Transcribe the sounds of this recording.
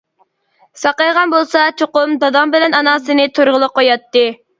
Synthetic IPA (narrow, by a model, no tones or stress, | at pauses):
sɑqɑjʁɑnbolˠsɑt͡ʃʰoqʊmd̪ɑd̪ɑmbɪlɛnɑnɑːsɨnɨt̪ʰoɾʁəlˠəqʰːojɑt̪ːɨ